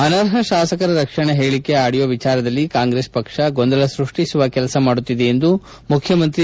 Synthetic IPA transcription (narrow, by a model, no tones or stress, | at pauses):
ɐnɐɾɦɐʃaːsɐkɐɾɐɾɐkʂɐɳeɦeːɭikːe̞aːɽijoʋit͡ʃaːɾɐd̪ɐlːikaːŋɡɾeːspɐkʂɐɡond̪ɐlɐsɾuʂʈisuʋɐkɛlɐsɐmaːɽut̪ːid̪eːnd̪u | mukʰjɐmɐnt̪ɾi